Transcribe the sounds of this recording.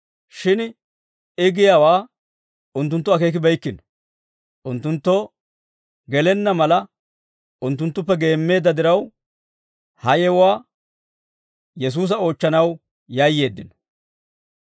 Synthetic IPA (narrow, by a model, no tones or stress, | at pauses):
ʃɪn | ɪɡɪjaːwaː | ʊnt̪ːʊnt̪ːɔɐke̞ːk̬ɪbɛjkːɪnɔ̥ | ʔʊnt̪ːʊnt̪ːɔ | ɡɛlɛnːɐmɐlɐ | ʊnt̪ːʊnt̪ːʊp̬ːɛɡe̞ːmːe̞ːd̪ːɐd̪ɪɾɐw | hɐjɛwaː | jɛs̬uːs̬ɐo̞ːt͡ʃːɐnɐw | jaːjːe̞ːd̪ːɪnɔ̥